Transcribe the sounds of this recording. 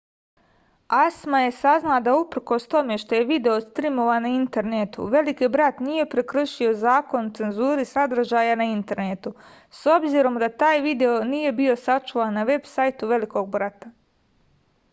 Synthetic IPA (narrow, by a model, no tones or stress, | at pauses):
asmaje̞saznad̪aupr̩ko̞st̪o̞me̞ʃt̪o̞je̞ʋid̪e̞o̞st̪ɾimo̞ʋanaint̪e̞ɾnet̪ṵʋe̞likibɾat̪nije̞pɾe̞kr̩ʃio̞zaːko̞nut̪se̞nzuːɾisad̪ɾ̩ʒaːjanaint̪e̞ɾnet̪u | so̞bziɾo̞md̪at̪aːjʋid̪e̞o̞niːje̞bio̞sat͡ʃuʋanːaʋe̞bsajt̪uʋe̞liko̞ɡ̚bɾat̪a